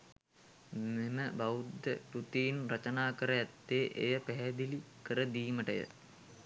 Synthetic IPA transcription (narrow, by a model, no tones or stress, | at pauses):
meməbaʋud̪ːəpɾut̪ijinrat͡ʃənaːkəɾəæt̪ːeːʔḛjəpæɦɛd̪ilikəɾəd̪iːməʈəjə̰